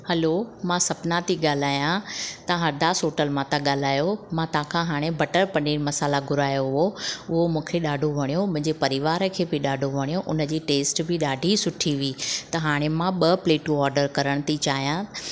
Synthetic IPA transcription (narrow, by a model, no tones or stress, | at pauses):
hɐlomãːsɐpnãt̪iɠaːl̤aːjãt̪ɐɦɐɾd̪ʱasoːʈəlmãt̪ɐɠaːl̤aːjomãt̪ãːkʰãɦaːɽ̃ebɐʈəɾpɐniːɾmɐsaːlaɡʱʊɾaːjoɦʊɦoʊɦomũːkʰeɗaːɖʱoʋʱɐɽ̃ijomʊ̃ɦɪ̃ɲd͡ʑepɐɾɪʋaːɾkʰeːbɪɗaːɖʱoʋʱɐɽ̃ijoʔʊnə̆d͡ʑiːʈeːsʈbʱɪɗaːɖʱisʊʈʰiʋiːt̪ɐɦaːɽ̃emãɓɐpleːʈũɔːɾɖəɾkɐɾəɽ̃ət̪it͡ɕaːɦijã